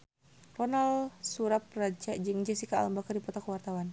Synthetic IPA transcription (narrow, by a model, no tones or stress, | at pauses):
rɔnalsuɾap̚rad͡ʒad͡ʒɨŋd͡ʒɛsika̰ːlambakardipɔt̪ɔkwart̪awan